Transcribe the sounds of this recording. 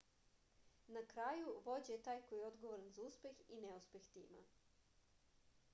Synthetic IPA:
nakɾajuʋo̞d͡ʑet̪aːjkojeo̞d̪ɡoʋoɾanzauspʲe̞xineuspe̞xt̪ḭːma̰

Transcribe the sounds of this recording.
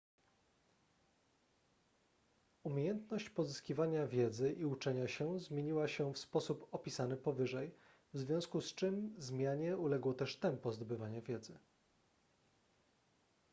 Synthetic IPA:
umʲjejɛnt̪nɔɕt͡ɕpɔzɘskʲivaɲavʲjɛd̪zɘʔiut͡ʂɛɲaɕɛzmʲjeɲiwaɕɛfspɔsupɔpʲisanɘpɔvɘʐɛj | vzvʲjɔ̃w̃skust͡ʂɘmzmʲjaɲɛulɛɡwɔt̪ɛʂt̪ɛmpɔzd̪ɔbɘvaɲɛvʲjɛd̪zɘ

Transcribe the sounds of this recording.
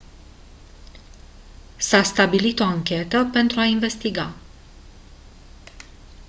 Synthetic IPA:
sast̪abilit̪o̞aŋkʲe̞t̪əpe̞nt̪ɾuainve̞st̪iɡa

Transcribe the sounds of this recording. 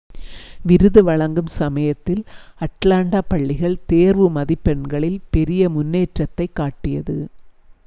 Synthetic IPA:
ʋɪɾɯðɯʋɐɭɐŋɡɯmsɐmɐjɐt̪ːɪlɐʈlaːɳɖaːpɐɭːɪɣɐɭt̪eːɾʋɯmɐðɪpːɛɳɡɐɭɪlpɛɾɪjɐmʊnːeːʈrɐt̪ːɐɪkːaːʈːɪjɐðɯ

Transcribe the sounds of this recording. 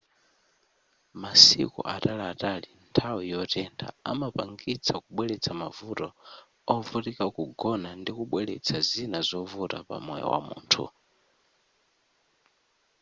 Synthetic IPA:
masḭkṵʔatalaːtalintʰawijɔtɛntʰa̰a̰mapaŋɡit͡sʰakuɓwɛlɛt͡sʰamavutɔ | ɔvutikakuɡɔnandikuɓwɛlɛ̰t͡sʰazinazɔvuta̰pa̰mɔjɔ̰wa̰mṵːntʰṵ

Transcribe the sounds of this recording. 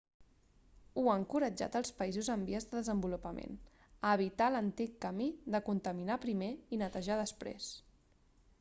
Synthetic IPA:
uəŋkuɾəd͡ʒa̰t̪əlˠspəizuzəmbiəzðəðəzəmbulupəmʔḛn | əβit̪alənt̪ikːəmiðəkunt̪əminapɾimeinət̪əʒaðəspɾḛs

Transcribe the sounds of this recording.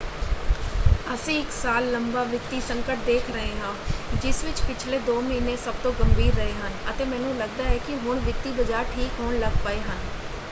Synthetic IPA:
əsĩːɪksaːlːəmbaːʋɪt̪iːsəŋkəʈ̚d̪eːkʰɾəɦẽːɦãːd͡ʒɪsʋɪt͡ʃpɪt͡ʃʰleːd̪oːmiːneːsəb̚t̪õːɡəmbiːɾːəɦeːɦənət̪eːmɛ̃ːnũːləɡ̚d̪aːɛːkɪɦʊɳʋɪt̪iːbəd͡ʒaːɾʈʰiːkɦoɳləɡpəeːɦən

